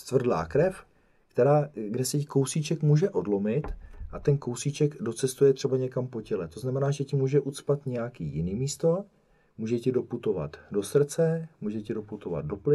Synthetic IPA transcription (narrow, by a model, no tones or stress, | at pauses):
st̪vr̩dla̰ːkɾɛf | kt̪ɛɾaːɡdɛsɛcɪko̞wsit͡ʃɛkmuːʒɛʔo̞dlo̞mɪt̪ʔat̪ɛnko̞wsit͡ʃɛɡdo̞t͡sɛst̪ujɛt̪r̝̥ɛbaɲɛkampo̞cɛlɛt̪o̞znamɛnaːʒɛcɪmuːʒɛʔut͡spat̪ɲɛjakiːjɪniːmiːst̪o̞ | muːʒɛcɪdo̞put̪o̞va̰t̪do̞sr̩t͡sɛmuːʒɛcɪdo̞put̪o̞va̰d̪̚do̞plɪ